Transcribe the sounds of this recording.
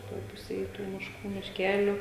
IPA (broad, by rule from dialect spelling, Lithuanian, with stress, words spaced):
ˈtoːj ˈpʊsʲeːj ˈtuː mʲɪʃˈkuː mʲɪʃʲˈkʲæːlʲʊ